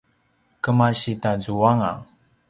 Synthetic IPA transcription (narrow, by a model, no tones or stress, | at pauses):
kəmaɕitazuaŋa̰